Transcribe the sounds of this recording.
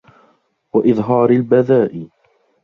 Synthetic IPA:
waʔɪðˤɦɑːɾɪlbaðaːʔɪ

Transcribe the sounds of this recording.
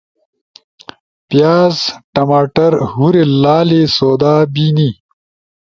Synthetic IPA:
pjaːzʈɐmaːʈɐɾhuɾelaːlesoːd̪aːbini

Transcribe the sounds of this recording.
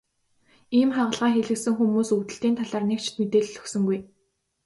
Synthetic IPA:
iːmχaʁə̆ɮʁaːxeɮɘ̆ksɘ̆ŋxumuːsut̪ɘ̆ɬt̪iːnt̪ʰaɮaːrnek̚t͡ɕʰɪ̥̆t̪met̪eːɮːɵ̥̆ksɵ̆ŋɡuj

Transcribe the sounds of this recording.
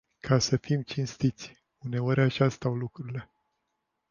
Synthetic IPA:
kʰasəfimt͡ʃinst̪it̪sʲ | une̞oɾʲaʃast̪awlukɾuɾile̞

